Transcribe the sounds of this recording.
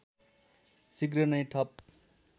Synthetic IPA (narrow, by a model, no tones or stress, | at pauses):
siɡɾʌnʌjʈʰʌp̚